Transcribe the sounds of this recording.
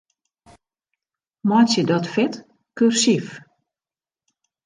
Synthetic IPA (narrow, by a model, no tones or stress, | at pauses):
mɔjtsjədɔtfɪt | kyrsif